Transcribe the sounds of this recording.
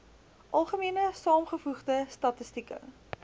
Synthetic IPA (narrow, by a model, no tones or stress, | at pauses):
ʔɐlˠχəmiənəsɑːmχəfuχdəstɐtəstikə̰